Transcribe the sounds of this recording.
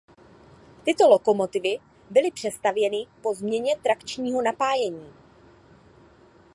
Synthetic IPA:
t̪ɪt̪o̞lo̞ko̞mo̞t̪ɪvɪ | bɪlɪpr̝̥ɛst̪avjɛnɪpo̞zmɲɛɲɛt̪ɾakt͡ʃɲiːɦo̞napaːjɛɲiː

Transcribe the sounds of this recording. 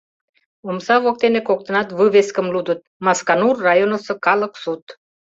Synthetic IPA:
umsɑvok̚t̪enekok̚t̪ənɑt̪vɨveskəmlud̪ət̪̚mɑskanurːajonəsə̆kɑlə̆ksut̪

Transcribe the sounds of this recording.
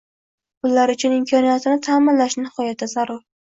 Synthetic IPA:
ʊlːaɾʊt͡ʃʰʊnɪmkʰɒnijat̪ʰɪnɪt̪ʰaːmɪnlaʃnɪhɒjat̪ʰːazaɾʊɾ

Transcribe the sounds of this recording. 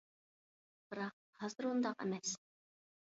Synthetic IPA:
b̥ɨɾɑq̚hɑzɨɾund̪ɑqɛ̰mɛs

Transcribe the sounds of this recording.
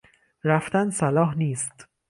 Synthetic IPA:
ɾaft̪ansɐlɔːɦniːst̪

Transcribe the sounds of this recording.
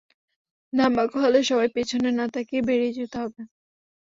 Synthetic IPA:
nambakoɦɔleʃɔbajpet͡ɕʰonenat̪akebeɾed͡ʑut̪eɦɔbe

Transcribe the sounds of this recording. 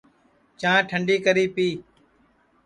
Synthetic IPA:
t͡ʃãːʈʰəɳɖiːkəɾiːpiː

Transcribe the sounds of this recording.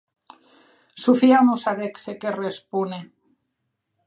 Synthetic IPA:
sufiamusaβeksekerespune

